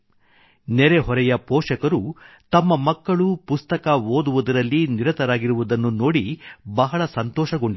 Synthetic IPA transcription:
nɛɾeɦɔɾɛjɐpoɔːʂɐkɐɾu | t̪ɐmːɐmɐkːɐɭupust̪ɐkɐoːd̪uʋud̪ɐɾɐlːiniɾɐt̪ɐɾaːɡiɾuʋud̪ɐnːuno̞ːɽibɐɦɐɭɐsɐnt̪ɔːʃɐɡo̞ɳɖi

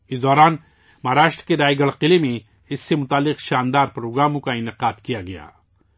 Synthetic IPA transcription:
ɪsd̪ɔːɾaːn | maːɾaːʃt̪ɾkeɾaːjɡɐɽqɪlemẽ | ɪsːemʊt̪aːlːɪqʃaːnd̪aːɾpɾoːɡɾaːmõkaɪnɪqaːd̪kijaɡɐja̰ː

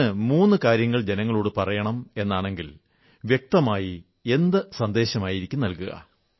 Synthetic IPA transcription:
ɨmuːnːɨkaːɾjɐŋːɐɭd͡ʑe̞nɐŋːɐɭoːɽɨpɐrɐjɐɳɐme̞nːaːɳe̞ŋɡil | ʋje̞k̚t̪ɐmaːji | e̞nd̪ɐsɐnd̪e̞ːɕɐmaːjiɾikʲːumnɐlkuɣɐ̰

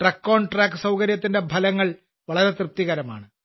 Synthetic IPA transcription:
ʈrɐkːoːɳʈraːkːɨsɐwkɐɾjɐt̪ːindebʱɐlɐŋːɐɭ | ʋɐɭɐɾet̪rɨt̪ːiɣɐɾɐma̰ːɳɨ

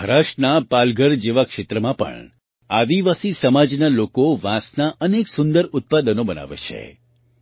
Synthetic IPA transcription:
ɦɾaʃʈnapalɡʱəɾd͡ʒeʋakʃet̪ɾəmãpə̰ɳ | ad̪iʋasisəmad͡ʒnalokoʋãsnaʔəneksʊnd̪əɾʊt̪̚pad̪ənobəna̰ʋḛt͡ʃʰḛ

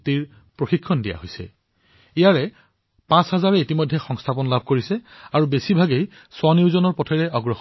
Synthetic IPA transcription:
tiɹ | pɹoxikʰːɔndija̰ɦojsɛ̰ | ijaɹɛ | pãsɦazaɹɛitimɔjdʱːɛxɔŋstʰapɔnlabʱkoɹisɛaɹubesibʱaɡej | swaniʊzɔnɔɹpɔtʰɛɹɛɔɡɹɔx

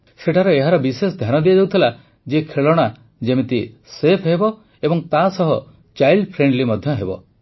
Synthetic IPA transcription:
seʈʰaɾɔeɦaɾɔbisesɔd̪ʱjanɔd̪iad͡ʒawt̪ʰila | d͡ʒekʰeɭɔɽ̃a | d͡ʒemit̪i | sepʰɦebɔ | ebɔŋt̪asɔɦɔ | t͡ʃajlɖpʰɾeɳɖlimɔd̪ʱjɔɦebɔ̰

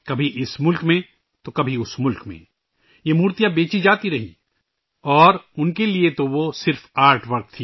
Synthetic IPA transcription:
kɐbʱiʔɪsmʊlkmẽ | t̪okɐbʱiʊsmʊlkmḛ̃ | jemuːɾt̪ijabeːt͡ʃid͡ʒaːt̪iɾɐɦḭ | ɔːɾʊnkeliet̪oʋosɪɾfaːɾʈʰʋɐɾk̚t̪ʰːiː

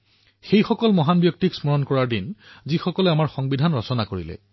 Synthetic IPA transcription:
xejxɔkɔlmɔɦanbjɔk̚tiksmɔɹɔnkɔɹaɹdinzixɔkɔlɛamaɹxɔŋbidʱanɹɔsɔnakoɹḭlɛ̰

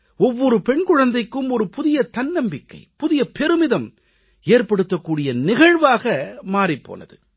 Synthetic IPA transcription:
ɔʋːɔɾɯpɛɳkʊɻɐnd̪ɐɪkːɯmɔɾɯpʊðɪjɐt̪ɐnːɐmbɪkːɐ̰ɪpʊðɪjɐpɛɾɯmɪðɐm | eːrpɐɽɯt̪ːɐkːuːɽɪjɐnɪɣɐɻʋaːɣɐmaːɾɪpːo̰ːnɐ̰ðɯ

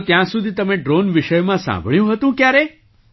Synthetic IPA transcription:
t̪jãsud̪ʱit̪əmeɖɾonʋiʃəjmãsã̰mbʱɭjũɦət̪ũkjaɾe

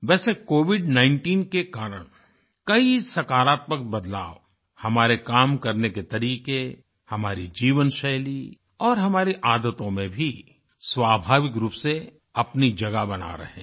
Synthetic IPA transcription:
ʋɛːsekoːʋɪɖnãːɪ̃ɳʈiːnkekaːɾəɽ̃ | kɐisɐkaːɾaːt̪̚məkbɐd̪la̰ːo | hɐmaːɾekaːmkɐɾneket̪ɐɾiːqe | hɐmaːɾid͡ʒiːʋənʃɛjli | ɔːɾɦɐmaːɾiʔaːd̪ət̪õmẽbʱi | swaːbʱaːʋɪkɾuːpse | ɐpnid͡ʒɐɡabɐna̰ɾɐ̰ɦḛ̃ː

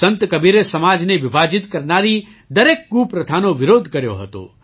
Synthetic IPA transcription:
sə̃nt̪kɐbiːɾesɐmaːd͡ʒneʋɪbʱaːd͡ʒɪt̪kɐɾnaːɾi | d̪ɐɾeːkɡupɾɐd̪ʰʱaːnoʋɪɾoːd̪ʱkɐɾjo̰ɦə̰t̪o̰ː

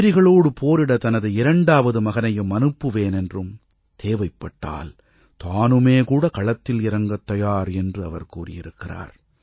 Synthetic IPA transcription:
ɾɪɣɐɭoːɽɯpʰoːɾɪɽɐt̪ɐnɐðɯɪɾɐɳɖaːʋɐðɯmɐɣɐnɐjɯmːɐnɯpːɯʋeːnɛndrɯm | t̪ʰeːʋɐɪpːɐʈːa̰ːl | t̪aːnɯmeːkuːɽɐkɐɭɐt̪ːɪlɪɾɐŋɡɐt̪ːɐjaːɾɛndrɯɐ̰ʋɐɾkuːrɪ̰jɪ̰ɾɯkːɪra̰ːɾ

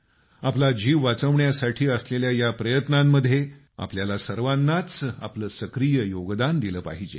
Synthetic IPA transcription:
aplad͡ʑiːʋʋat͡səʋɳjasaʈʰiːəsleljajapɾəjət̪namːəd̪ʱje | a̰pljalasəɾʋanːat͡sa̰pləːsəkɾijəjoɡd̪and̪iləːpa̰ɦid͡ʑḛ

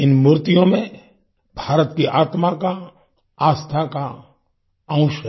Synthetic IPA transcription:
ɪnmʊɾt̪ijõmẽ | bʱaːɾət̪kiʔaːt̪maka | aːst̪ʰaka | ɐ̃ʊ̃ʃ

